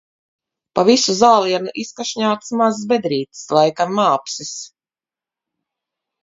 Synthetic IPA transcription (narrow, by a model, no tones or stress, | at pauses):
pavisuzaːlˠiɛnuʔiskaʃɲaːt̪smazsbɛd̪ɾiːt̪i̥slˠajkamːaːpsis